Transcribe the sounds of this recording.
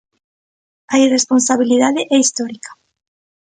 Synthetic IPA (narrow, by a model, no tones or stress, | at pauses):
ajresponsaβiliðaðɪʔɛist̪ɔɾikḁ